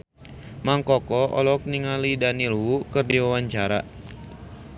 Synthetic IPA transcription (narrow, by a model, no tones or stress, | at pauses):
maŋkɔkɔɔ̰lɔk̚niŋalidanilwukɨrdiwawaɲt͡ʃaɾa